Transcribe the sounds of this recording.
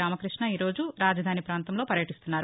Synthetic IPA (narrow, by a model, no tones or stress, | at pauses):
aːmɐkɾiʂɳɐiːɾo̞ːd͡ʒuɾaːd͡ʒɐd̪ʱaːnipɾaːnt̪ɐmlo̞ːpɐɾjɐʈist̪unːaːɾu